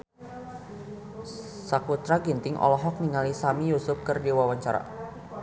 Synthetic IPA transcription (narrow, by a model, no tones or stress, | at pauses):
sakut̪ɾaɡint̪ɪŋʔɔ̰lɔɦɔk̚niŋalisamijusʊp̚kɨrdiwawaɲt͡ʃaɾa̰